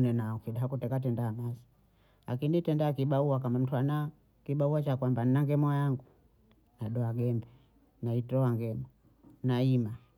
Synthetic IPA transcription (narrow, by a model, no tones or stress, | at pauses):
nɛnafiɗaakutɛkatɛndaːmasi̥ | lakinitɛndakiɓauak̬amam̩tuana | kiɓauwat͡ʃakwamban̩naŋɡɛmɔjaŋɡu | naɗɔaɡɛmbɛ | naitɔaŋɡɛmɔ | naima